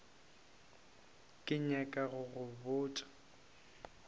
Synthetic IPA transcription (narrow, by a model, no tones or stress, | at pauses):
kʼɪɲakʼaɣʊɣʊbʊːtʼḁ